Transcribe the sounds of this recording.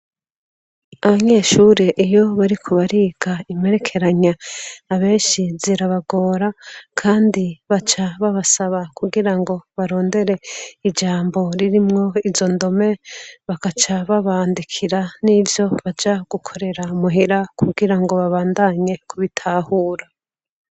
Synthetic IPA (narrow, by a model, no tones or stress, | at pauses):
aβaɲe̞ːʃuːɾeʔijo̞βaɾikʰoβaɾiːɡ̥aime̞ɾe̞kʰe̞ɾaɲaːβe̞ːnʃiziɾaβaɡo̞ːɾakʰaːndiβat͡ʃaβaβasaβakuɡiɾaŋɡo̞βaɾo̞ːnde̞ɾe̞id͡ʒaːmbo̞ɾiɾimŋo̞izo̞ndo̞me̞βakat͡ʃaβaβaːndikʰiɾanivjo̞βad͡ʒaɡ̥ukʰo̞ɾe̞ɾaumuɦiɾakʰuɡiɾaŋɡo̞βaβaːndaɲe̞kʰuβitʰaːhuːɾa